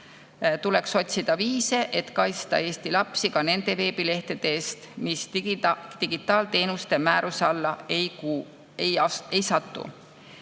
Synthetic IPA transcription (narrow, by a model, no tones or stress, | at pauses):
t̪ule̞kso̞t̪ʲsid̪̥ɑviːse̞ʔe̞t̪kɑj̪st̪ɑ̰e̞ːst̪ilɑpsikɑne̞nd̪̥e̞ve̞ːbile̞ht̪ed̪̥eːst̪mis | t̪iɡ̥it̪ːˑɑːlt̪e̞ːnust̪e̞mæːɾusɑlːɑejku | eje̞jsɑt̪ːṵ